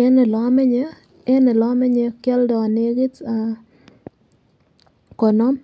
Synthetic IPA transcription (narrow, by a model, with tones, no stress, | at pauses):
e˦ne˨lɔ˨˦mɛ˦ɲe˦ | e˦ne˨lɔ˦mɛ˦ɲe˦kjɛ˦ldɔ˨ne˦ɡi˦ta˨ | kɔ˨no˦m